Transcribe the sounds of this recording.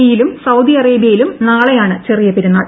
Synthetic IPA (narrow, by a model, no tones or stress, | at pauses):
jilumsɐwd̪iɐreːbijɐjilumnaːɭejaːɳɨt͡ɕerijɐpːeɾunːɐ